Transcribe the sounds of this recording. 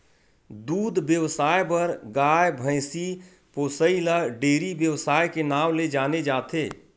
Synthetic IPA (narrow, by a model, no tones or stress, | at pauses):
d̪uːd̪ʱbjəwsaːjbəɾɡaːjbʱə̃ɪsi | poːsəilaɖeːɾiʋjəwsaːjkenaːmled͡ʒaːned͡ʒaːt̪ʰeː